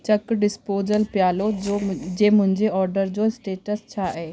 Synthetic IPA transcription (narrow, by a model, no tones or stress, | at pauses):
t͡ɕɐkɖɪspoːzəlpjaːlod͡ʑeːmʊ̃ɦɪ̃ɲd͡ʑeɔːɾɖəɾd͡ʑoɪsʈeːʈəst͡ɕʰaːeː